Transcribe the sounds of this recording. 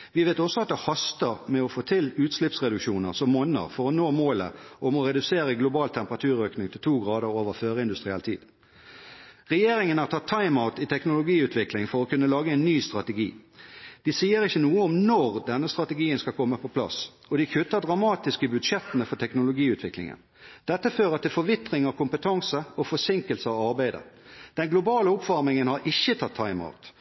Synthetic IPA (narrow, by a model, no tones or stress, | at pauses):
ʋɪʋeɪt̪ɔsɔɑt̪̚d̪ɛhɑst̪əʁmɛɔfoːt̪ʰɪlʉːt̪slɪpsʁɛd̪ʉkʃuːnəʁsɔmːoːnəə̰ʁfɔʁɔnoːmoːlə̰ʔɔmɔɾɛd̪ʉseːʁəɡlʊbɑːlt̪ʰɛmpəʁɑt̪ʰʉːɾøːknɪŋt̪ʰɪlt̪ʰuːɡʁɑːd̪əʁoːʋəʁføːʁəɪnd̪ʉst̪ʁɪɛlt̪ʰḭːd̪̥ | ʁɛjeːɾɪŋənhɑʁt̪ʰɑt̪ʰːɑɪmaʊt̪ɪt̪ʰɛknʊlʊɡiːʉːt̪ʰʋɪklɪŋfɔʁɔkʰʉnːəlɑːɡəɛɪnːyːst̪ʁɑt̪əɡḭːd̪̥ɪsiːəɾɪçːənuːəɔmnɔʁd̪ɛnːəst̪ʁɑt̪əɡiːənskɑlkʰɔmːəpʰɔpʰlɑ̰s | ɔd̪ɪkʰʉt̪ːəd̪ʁɑmɑːt̪ɪskəbʉd̪ʂɛt̪ənəfɔʈ̪ʰɛknʊlʊɡiːʉːt̪ʰʋɪklɪ̰ŋə̰n | d̪̥ɛt̪ːəføːʁət̪ʰɪlfɔɾʋɪt̪ʁɪŋɑkʰʊmpət̪ʰɑŋsəɔfɔsɪŋkəlsəɑʋɑʁbæɪd̪ə̰d̪̥ɛnɡlʊbɑːləʊpfɔɾmɪŋənhɑɾʔɪçːət̪ʰɑt̪ʰːɑɪma̰ʊt̪